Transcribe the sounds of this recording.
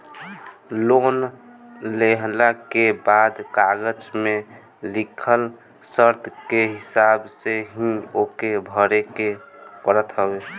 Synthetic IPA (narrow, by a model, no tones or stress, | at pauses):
lon | leɦlakebad̪kaɡəd͡ʒme | likʰəl | səɾt̪ʰkeɦɪsabseɦĩokebʱəɾekepəɾət̪ɦəbe